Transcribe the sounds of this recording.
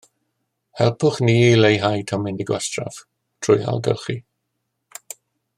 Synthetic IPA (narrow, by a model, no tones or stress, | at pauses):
hɛlˠpʰʊχniːlejɦajtʰɔmɪndɪɡwɛstra̰v | tʰrʊja̰lˠɡɛ̰lˠχi